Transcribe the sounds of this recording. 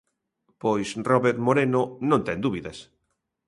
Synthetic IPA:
pojsrɔβeɾt̪moɾenonõnt̪ɛnd̪uβiðes

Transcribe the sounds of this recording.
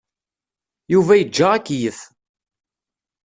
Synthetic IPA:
juvæjəd͡ʒːaʁækːjəθ

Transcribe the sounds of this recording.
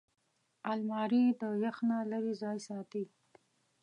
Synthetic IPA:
almɑɾid̪əjaxnalaɾizɑjsɑt̪i

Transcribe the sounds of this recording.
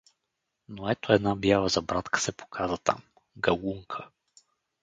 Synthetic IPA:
noɛt̪oɛd̪nabjavəzɐbɾat̪kə̥sɛpo̥kʰazət̪a̰m | ɡɐluŋkʰə

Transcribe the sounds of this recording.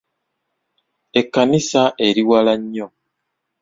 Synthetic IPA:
ekːanisaʔe̞ɾiwalaɲːo

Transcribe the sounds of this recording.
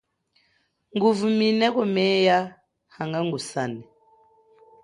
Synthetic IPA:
ŋɡuvuminɛkɔmɛja | haŋɡaŋɡusanɛ

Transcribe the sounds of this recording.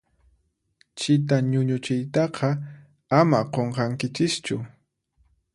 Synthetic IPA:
t͡ʃɪt̪aɲʊɲʊt͡ʃɪjt̪ɑqʰɑ | amaqoɴqɑŋkɪt͡ʃɪst͡ʃʊ

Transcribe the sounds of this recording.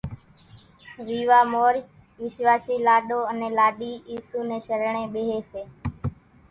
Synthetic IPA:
ʋiːʋaːmoːɾ | ʋɪʃʋaːʃiːlaːɗoːənẽːlaːɗiːiːsuːnẽːʃəɾɳẽːɓeːɦeːseː

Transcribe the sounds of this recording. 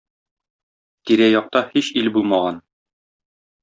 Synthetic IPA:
t̪iɾæjɒq̚t̪ɑhiɕilbulˠmɑʁɑn

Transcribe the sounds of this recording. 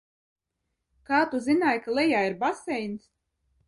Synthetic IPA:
kaːt̪uzinaːjkalˠɛjaːiɾbasɛjns

